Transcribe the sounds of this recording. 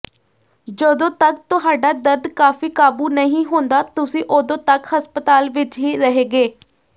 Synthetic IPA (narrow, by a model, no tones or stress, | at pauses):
d͡ʒəd̪õːt̪ək̚t̪ʊɦaːɖaːd̪əɾd̪kaːfiːkaːbuːnəɦĩːɦõnd̪aːt̪ʊsĩːʔod̪õːt̪əkɦəspət̪aːlʋɪt͡ʃɦiːɾəɦeːɡeː